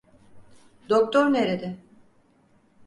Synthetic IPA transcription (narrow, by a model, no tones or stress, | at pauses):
d̪ok̚t̪ʰoɾneɾed̪ɪ